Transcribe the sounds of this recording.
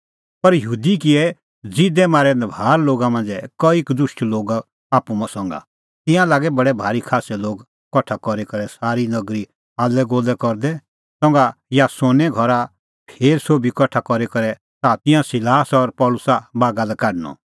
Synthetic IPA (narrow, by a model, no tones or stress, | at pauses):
pɐɾjəɦuːd̪ikɪɛ | d͡zɪd̪ɛmaːɾɛnɛbʱaːɾloːɡamɐ̃nd͡zɛkɔikd̪ʊʃʈloːɡ | aːpumãsɔ̃ŋɡa̰ | t̪ɪ̃jãlaːɡɛbɐɽɛbʱaːɾikʰaːsɛloːɡ | kɔʈʰakɔɾɛkɐɾɛsaːɾinɐɡɾi | aːlɛɡoːlɛkɔɾd̪ɛ | sɔ̃ŋɡajasoːnɛɡʱɔɾa | pʰeːɾsoːbʱikɔʈʰakɔɾɛkɐɾɛ | t̪at̪ɪ̃jãsɪlaːsɔɾpɔːlʊsabaːɡalɛkaːɖnɔ̰